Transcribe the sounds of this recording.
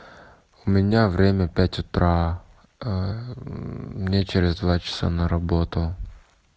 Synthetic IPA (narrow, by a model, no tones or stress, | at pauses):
ʊmʲɪnʲavɾʲemʲəpʲætʲʊt̪ɾa | mnʲet͡ɕeɾʲɪzd̪vat͡ɕɪ̥sa̰nəɾɐbot̪ʊ